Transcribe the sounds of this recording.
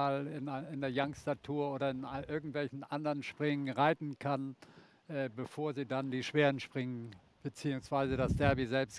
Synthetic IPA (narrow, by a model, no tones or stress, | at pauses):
lɪnɪndeːɐjaŋstatʰuːɐoːɾɐɪnʔɪɐɡŋ̩tv̥ɛlçn̩ʔandəʁənʃpʁ̥ɪŋənʁaɪtn̩kʰan | ʔɛːbəfoːɐziːdandiːʃv̥eːʁənʃpʁ̥ɪŋən | b̥ət͡siːʊŋsv̥aɪzədasd̥ɛɐbizɛlpst